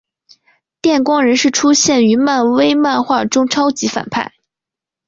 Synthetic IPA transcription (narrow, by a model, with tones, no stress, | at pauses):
t̪jɛ˥˩nkwɑ˥ŋɻə˧˥nʂɻ̩˥˩ʈ͡ʂʰu˥ɕjɛ˥˩ny˧˥ma˥˩nwe˥ɪma˥˧nxwa˥˩ʈ͡ʂʊ˥ŋʈ͡ʂʰɑ˥ʊt͡ɕi˧˥fa̰˨˩npʰa̰˥˩ɪ